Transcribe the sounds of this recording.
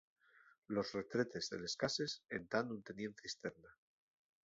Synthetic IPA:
lo̞sre̞t̪ɾe̞t̪e̞zðe̞̰le̞skase̞sent̪anunt̪e̞nje̞nθjaest̪e̞ɾna

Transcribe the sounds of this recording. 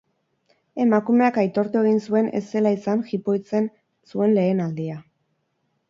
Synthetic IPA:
e̞makume̞akajt̪o̞ɾt̪ue̞ɣinsue̞ne̞̰se̞laisanxipo̞jt͡se̞n | sue̞nle̞ːnald̪ia

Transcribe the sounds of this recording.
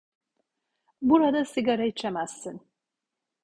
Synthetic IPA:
buɾad̪asiɡaɾait͡ʃʰemæz̥ːin

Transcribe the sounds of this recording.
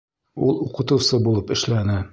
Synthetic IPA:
ulˠuqɤ̆t̪ɤ̆wsɤbulˠɤpɘ̆ʃlænɘ

